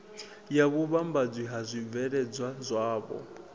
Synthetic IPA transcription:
jakuβambad͡zwiɦazʷib̪vɛɺɛd͡zwazʷaːβɔ̰

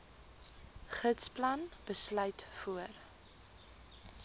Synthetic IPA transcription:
χətsplɐnb̥əslœɥtfuər

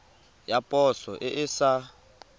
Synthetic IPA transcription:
japʼɔsɔʔɪʔɪsa

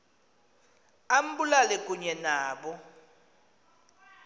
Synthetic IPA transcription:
am̩bulalɛkʼuɲɛnaːɓɔ

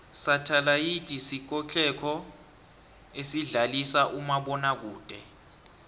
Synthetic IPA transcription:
satʰalajid̥ʱʼisik̬ɔt͡ɬʰʼɛkʰɔ | esiɮalisaʔumaɓɔnak̬uːd̥ʱʼɛ

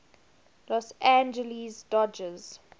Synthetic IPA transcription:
lɔsæ̃nd͡ʒəlisdɔd͡ʒəz̥

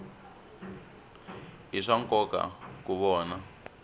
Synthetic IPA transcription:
ɦiʂaŋkɔka̰kuβɔːna

